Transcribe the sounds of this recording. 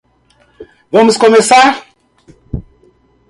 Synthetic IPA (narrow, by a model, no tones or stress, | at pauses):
vomuskomesa